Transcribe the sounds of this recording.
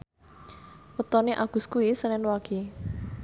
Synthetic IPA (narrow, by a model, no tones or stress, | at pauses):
ut̪ɔneʔaɡ̥ṳskuisənɛnwaɡ̥i